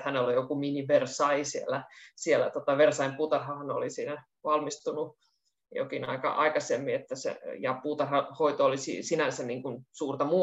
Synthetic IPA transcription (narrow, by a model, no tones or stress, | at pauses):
hænelːojokuminiʋersɑisielːæsielːæ̰t̪ot̪ɑʋersɑimpuːt̪ɑrhɑhɑno̰lisiːnæ | ʋɑlmist̪unu | jo̰kinɑ̰ikɑ̰ʔɑ̰ikɑsemːiet̪ːæsḛjɑpuːt̪ɑrhɑhoit̪oolisḭsinænsænniːŋkunsuːrt̪ɑmuː